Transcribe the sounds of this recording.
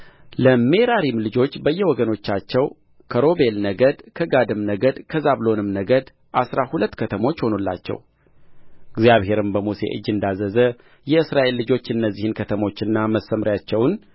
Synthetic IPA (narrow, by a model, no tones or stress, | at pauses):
ləme̞ɾaɾimlɨd͡ʒo̞t͡ʃːbəjːɛwɔɡəno̞t͡ʃːat͡ʃːɛw | kʰəɾo̞be̞lnəɡəd̪kʰəɡad̪ɨmnəɡəd̪kʰəzaβlo̞nɨmnəɡəd̪ | ʔasɾahulət̪ːkʰət̪ʰəmo̞t͡ʃːho̞nulːa̰t͡ʃːɛ̰w | ɨɡzjaβhe̞ɾɨmbəmuse̞̰ʔɨ̰d͡ʒːɨnd̪azəzə | jɛɨsɾaʔe̞lːɨd͡ʒo̞t͡ʃːɨnːəzːihɨnkʰət̪ʰəmo̞t͡ʃːɨnːaməsːəmɾjat͡ʃːɛwn